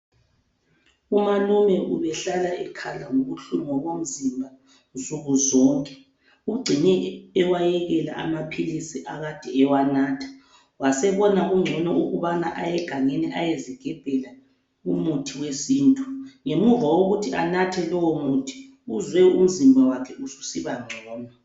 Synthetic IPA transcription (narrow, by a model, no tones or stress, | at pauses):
umanumɛʔuβɛɬalaɛkʰalaŋoɣuɬumɔɣom̩zimbʱa | zuɣuzɔŋkʼɛ̥ | uɡ͡ǀʱinɛːwajɛɣɛla̰ʔa̰mapʰilisiʔaɣad̥ʱɛɛwanaːtʰḁ | wasɛβɔnauŋ͡ǀʱɔnɔuɣuβanaʔajɛɡ̥ʱaŋeniʔajeziɡ̥ʱɛb̥ʱɛla | umutʰiwesiːntʼuŋemuvawoɣutʰia̰natʰɛlɔwɔmutʰi̥ | uzwɛum̩zimbʱawakʰɛusu̥siβaŋ͡ǀʱɔːnɔ